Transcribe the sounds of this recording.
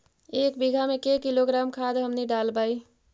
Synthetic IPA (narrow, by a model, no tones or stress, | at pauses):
ekbiɡʱamekekiloɡɾamkʰad̪ɦəmniɖalbaj